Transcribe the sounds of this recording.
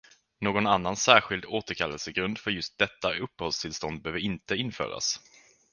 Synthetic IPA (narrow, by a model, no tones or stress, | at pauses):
noːɡɔnanːansæːɾɧɪld̪oːt̪əɾkʰalːəlsəɡɾɵnd̪fœɾjɵst̪̚d̪ɛt̪ːaʔɵpːəhɔlst̪ʰɪlst̪ɔnd̪̚bœːvəɪnt̪əɪnfœ̰ːɾa̰s